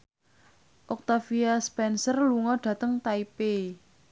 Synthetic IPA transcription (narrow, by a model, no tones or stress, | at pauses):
ʔɔk̚t̪afiaspɛnsərluŋɔɖ̥ä̤t̪əŋt̪aipe